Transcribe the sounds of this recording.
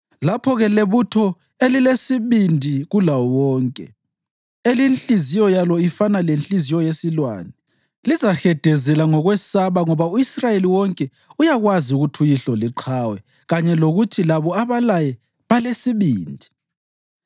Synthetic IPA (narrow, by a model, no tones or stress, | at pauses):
lapʰɔɣɛleβutʰɔ | elilesiβindʱiɣulaɔwɔːŋkʼɛ̰ | elinɬizijɔjalɔifanalenɬʼizijɔjesilwa̰ːnɛ | lizaxɛd̥ʱɛzɛlaŋɔɣwɛsaβaŋɔβauisrajeliwɔŋkʼɛ | ujaɣwaziuɣutʰujiɬɔliǃʰaːwɛ | ɣaɲɛloɣutʰilaβɔaβalajɛ | βalesiβiːndʱi